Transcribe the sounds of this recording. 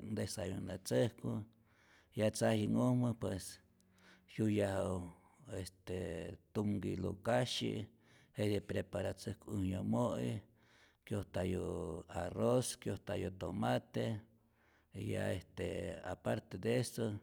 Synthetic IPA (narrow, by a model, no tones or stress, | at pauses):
nd̪esajund̪at͡səhku | jat͡sahiŋohmɨpwes | hjujahaw | est̪et̪uŋɡilo̰kaʃḭ | hed̪epɾepaɾat͡səhkʷuhɲomoʔḭ | kjoht̪ajoaroskjoht̪ajot̪omat̪e | ja̰est̪ea̰paɾt̪ed̪eso